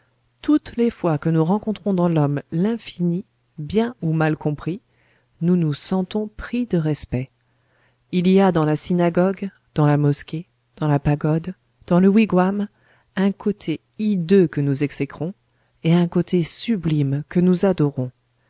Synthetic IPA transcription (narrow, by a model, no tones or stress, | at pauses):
t̪ut̪lefwakənuʁɑ̃kɔ̃t̪χɔ̃d̪ɑ̃lɔmlɛ̃fini | bjɛ̃umalkɔ̃pχi | nunusɑ̃t̪ɔ̃pχid̪əʁɛspɛ | iliad̪ɑ̃lasinaɡɔɡ | d̪̥ɑ̃lamɔskʲe | d̪̥ɑ̃lapaɡɔd̪ | d̪̥ɑ̃ləwiɡwam | ɛ̃kot̪ʰe | id̪økənuzɛksɛkχɔ̃ | eɛ̃kot̪ʰesyblimkənuzad̪ɔʁɔ̃